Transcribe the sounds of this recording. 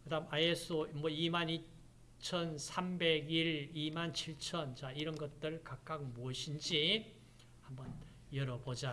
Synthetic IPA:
kɯdamajesʰomwʌimani | t͡ɕʰʌnsʰambe̞ɡiɭimant͡ɕʰiɭt͡ɕʰʌnt͡ɕaiɾʌnɡʌt̚t͈ɯɭkak̚k͈ak̚moʌɕʰind͡ʑi | hambʌn | jʌɾʌbod͡ʑa

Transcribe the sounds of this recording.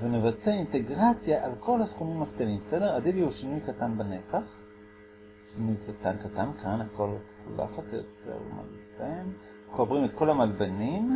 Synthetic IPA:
venevat͡seainte̞ɡʁat͡sjaʔalkʰo̞lhasχumimakt̪animbese̞deʁadiviuʃinujkatanbane̞faχ | ʃinujkat̪ankatankʰanako̞l | la̰χat͡sjo̰t͡sḛʁma̰lben | χobʁimet̪ko̞lamalbenim

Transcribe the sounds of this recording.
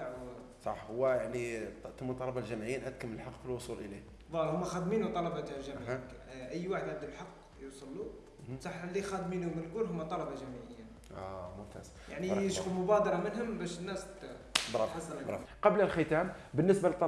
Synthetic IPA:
t̪aʕ | sˤɑ̰ħhʊwːæjaʕnit̪əmːut̪ˤːɑlɑbɑlʒæmʕəjːinʔæt̪̚kəmːələlħɑqːfilwosˤulʔəli | ðˤɑhʊmːæxæd̪minut̪ˤɑlɑbɑt̪alʒæm | ʔəjːwaħəd̪ʕəbd̪əllħɑqː | jusˤɑlːu | sˤɑħːəlːixæd̪minhʊmənəlkuɾɦʊmːæt̪ˤːɑlɑbɑʒæmʕəjːa | ʔɑ̰mʊmt̪æ̰s | jʔa̰ʕnijəʃfumʊbæd̪ɑɾˤɑmənɦʊmbæʃənːæs | bɾˤɑɑsˤɑlɾˤɑ̰qɑbləlxət̪æm | bənːəsbalət̪ˤːɑ

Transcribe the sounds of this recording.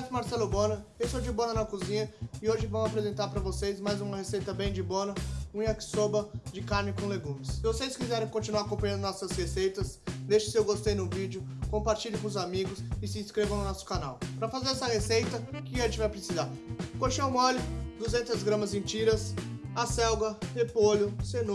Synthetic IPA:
t̪ʊmaɾsɛlʊbõnɐewsod͡ʒɪbõnɐnɐkuzĩɲɐɪoʒɪvɐ̃mʊapɾezẽnt̪aɾpɾɐvosejzmajzũmɐhesejt̪ɐbẽj̃d͡ʒɪbõnɐũj̃ɐkɪ̥sobɐd͡ʒɪkaɾnɪkõleɡũmɪsːɪvosejskizɛɾẽj̃kõt͡ʃinuaɾkõpɐjɐ̃nd̪ʊnɔsɐzhesejt̪ɐsd̪ejʃʊ̥sɪewɡost̪ejnʊvid͡ʒʊkõmpaɾt͡ʃiʎɪkõʊzamiɡʊsɪsɪĩskɾevɐ̃w̃nʊnɔsʊ̥kanawpɾɐfazeɾɛsɐhesejt̪ɐkɪẽt͡ʃɪvajpɾɪsizaɾkoʃɐ̃w̃mɔlʊd̪uzẽnt̪ɐzɡɾɐ̃mɐzẽt͡ʃiɾɐsasɛwɡɐhepolʊseno

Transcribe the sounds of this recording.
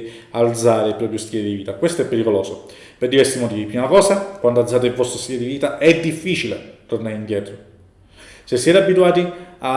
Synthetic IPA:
ald̪zaːɾepːɾɔpɾjost̪jɛːled̪iviːt̪akwest̪oɛpːeɾikoloːso | perd̪ivɛɾsimot̪iːviipɾiːmakɔːsakwand̪oald̪zaːt̪̬eilvɔst̪ɾost̪jɛled̪iviːt̪aɛd̪ifːiːt͡ʃilet̪ornaɾeind̪jɛːt̪ɾo | sesːjɛːt̪eabːit̪uaːt̪ia

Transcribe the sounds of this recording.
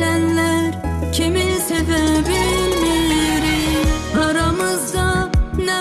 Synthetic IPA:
ænlæɾcʲʰimisevæbi | ɾi | ɑɾɑmɯzd̪ɑnæ

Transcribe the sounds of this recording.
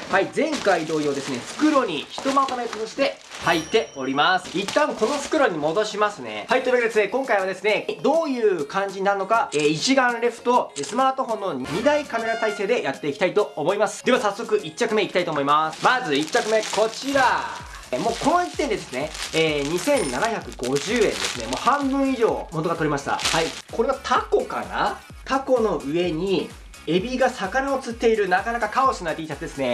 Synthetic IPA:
haizẽ̞ŋkaid̪o̞ːiod̪e̞sɨne̞sɨ̥kɯ̟ɾo̞ɲ̟içi̥t̪o̞maot̪amatot̪oɕi̥t̪e̞ | hait̪ːe̞o̞ɾʲimasɨ̥it̪ːãŋko̞no̞sɨ̥kɯ̟ɾo̞ɲ̟imo̞d̪o̞ɕimasɨne̞̰hait̪ːeimeɾd̪esɨnekõ̞ŋkaiβ̞ad̪e̞sɨne̞d̪o̞ːjɯ̟ːkãɲ̟d͡ʑinaɾɯ̟no̞kaeːit͡ɕiɡãnɾe̞ɸɯ̟̥t̪o̞esɨmaːt̪o̞ɦõ̞nːo̞ɲɲ̟id̪aikame̞ɾat̪aise̞ːd̪e̞jat̪ːe̞ikʲi̥t̪ait̪o̞omo̞imasɨ̥d̪e̞βasasːo̞kɯ̟ʔit͡ɕːakɯmeikʲi̥t̪ait̪oːmo̞imasɨ̥mazɨit͡ɕːakɯ̟me̞kʰo̞t͡ɕiɾa | mo̞ːko̞noit̪ːend̪ed̪e̞sɨne̞eːɲ̟isẽ̞nːanaçakɯ̟ɡ̥o̞ʑɨːẽ̞nd̪e̞̰sɨne̞mo̞ːhãmbɯ̟̃ɰ̃iʑo̞ːmo̞t̪oɡat̪o̞ɾʲimaɕi̥t̪a̰haiko̞ɾe̞ɡat̪ʰako̞ka̰na̰ | t̪ako̞no̞ɯ̟e̞ɲ̟i | e̞bʲiɡasakaɾaot͡sɨt̪ːe̞iɾɯ̟nakanakakaoɕinaet̪eit̪ad̪e̞sɨne̞

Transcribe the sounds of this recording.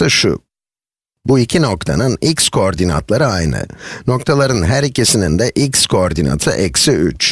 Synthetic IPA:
ɯʃʊ̰ | buicʰino̞k̚t̪ʰa̰nɯnicskʰo̞ːɾd̪ina̰t̪lˠaɾɯajnɯ̰no̞kt̪ʰalˠaɾɯnɦæɾicʰisinind̪ɛʔicskʰo̞ːɾd̪ina̰t̪ʰɯ̰ʔɛcsiy̰t͡ʃ

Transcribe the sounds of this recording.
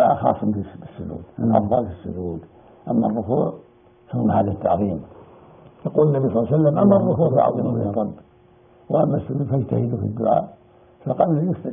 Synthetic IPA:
ʕaxɑ̰ːsˤːmlisːʊd͡ʒṵːd̪nan̰ðbˤɑ̰ːlɪsːʊ̰d͡ʒuːd̪ | ʔamːarˤːʊkuːʕ | fahumħaːlit̪ːɑʕðˤiːm | jɑquːlanːabisˤlˤːsalːamʔamːarˤːʊkuːʕfaʕ̰ðˤiːmlirˤɑbː | waʔamːasːʊd͡ʒuːd̪fajt̪ahilufḭd̪ːʊʕa̰ːʔ | faqɑblajʊst̪a

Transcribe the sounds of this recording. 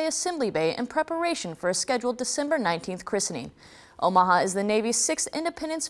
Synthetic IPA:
ɪɨsɛ̃mblibeɪʔɨ̰̃npʰɹ̥ɛpə˞eɪʃɨ̃n̩fə˞ɨskɛd͡ʒul̩ˠdɨsɛ̃mbə˞nãɪ̃ntʰĩnθkʰɹ̥ɪsnḭ̃ | ʔo̰ʊmɑɦəɨzðɨneɪvi̥sɪksɪ̰̃ndɨpʰɛ̃ndɨ̃ns

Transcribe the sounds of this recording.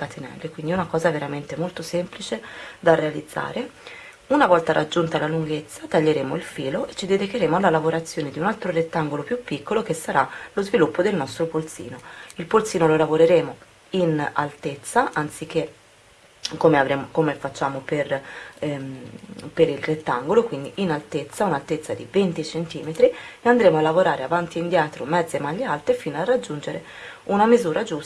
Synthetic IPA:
kat̪ʰinɛ̰lːekwind̪iunakɔːzaveɾament̪emolt̪osɛmplit͡ʃed̪arːealid̪zːa̰ːɾe | unavɔlt̪aɾʔa̰d͡ʒːunt̪alaluŋɡet̪sːat̪aʎːeɾeːmoilfiːloet͡ʃːid̪ed̪ikeɾeːmoalːalavoɾat̪sːjoːned̪iunalt̪ɾoret̪ːaŋɡolopjupːikːolok̟esːaɾalozvilupːod̪elnɔst̪ɾopolt̪sḭːnoilpolt̪siːnololavoɾeɾeːmo | ina̰lt̪et̪sːaʔant̪sik̟ːe | kːomeavɾeːmokomefat͡ʃːaːmoper | peɾilret̪ːaŋɡolokwind̪iʔinalt̪et̪sːaunalt̪et̪sːad̪ivent̪it͡ʃent̪iːmet̪ɾieand̪ɾeːmoalːavoɾaːɾʔeavant̪iind̪jaːt̪ɾomɛd̪zːemalːealt̪ifiːnoarːad͡ʒːund͡ʒeɾe | unamizuːɾad͡ʒus

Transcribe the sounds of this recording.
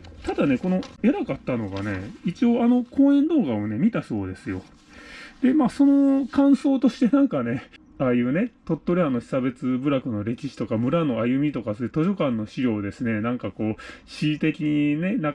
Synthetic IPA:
t̪ad̪ane̞ko̞no̞eɾakat̪ːano̞ɡa̰ne̞̰it͡ɕio̞ano̞kõ̞ːẽ̞nd̪o̞ːɡao̞ne̞mʲit̪aso̞ːd̪e̞sɨjo̞̰ | d̪̥e̞maːso̞no̞kãɰ̃so̞ːt̪o̞ɕi̥t̪e̞nãŋkane̞ | aːjɯ̟ːne̞t̪o̞t̪ːo̞ɾʲiano̞çi̥sabe̞t͡sɨbɯ̟ɾakɯ̟no̞ɾe̞kʲiɕi̥t̪o̞kamɯ̟ɾano̞ajɯ̟mʲit̪o̞kasoɯ̟t̪o̞ʑo̞kãnːo̞ɕiɾʲo̞ːd̪e̞sɨne̞nãŋkako̞ːɕit̪e̞kʲiɲ̟ine̞na

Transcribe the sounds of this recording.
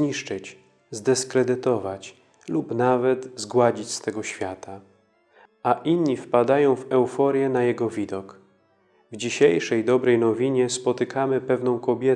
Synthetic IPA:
ɲiʂt͡ʂɘt͡ɕ | zd̪ɛskɾɛd̪ɘt̪ɔvat͡ɕ | lupnavɛt̪zɡwad͡ʑit͡ɕst̪ɛɡɔɕfʲjat̪a | ʔaʔinɲifpad̪ajɔ̃w̃vɛwfɔɾʲjɛnajɛɡɔvʲid̪ɔk | vd͡ʑiɕejʂɛjd̪ɔbɾɛjnɔvʲiɲɛspɔt̪ɘkʰamɘpɛvnɔ̃w̃kɔbʲjɛ

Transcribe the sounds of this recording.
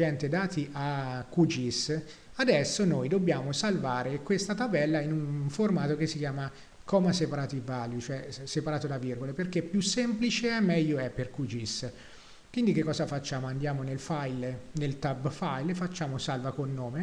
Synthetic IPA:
d͡ʒɛnt̪ed̪aːt̪iʔakːud͡ʒis | ad̪ɛsːonojd̪obːjaːmosalvaːɾekwest̪at̪abɛlːainunformaːt̪okesːikjaːma | kɔːmasepaɾaːt̪ivaljut͡ʃoɛsepaɾaːt̪od̪avirɡoleperk̟ːepːjusːɛmplit͡ʃeɛmːɛʎːoɛpːerkud͡ʒis | kwind̪ikekːɔːzafat͡ʃːaːmoand̪jaːmonelfajlnelt̪abfajlefat͡ʃːaːmosalvakonːoːme

